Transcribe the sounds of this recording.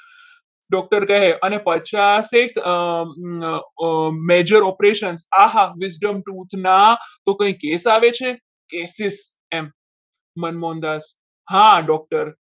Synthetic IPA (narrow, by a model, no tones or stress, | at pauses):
ɖɔk̚ʈəɾkəɦeənepət͡ʃasek | med͡ʒəɾɔpɾeʃənsaɦaʋɪsɖəmʈut̪ʰnat̪okə̃ĩkesaʋet͡ʃʰe | kesɪs | emː | ənmɔ̃nd̪as | ɦãɖɔk̚ʈəɾ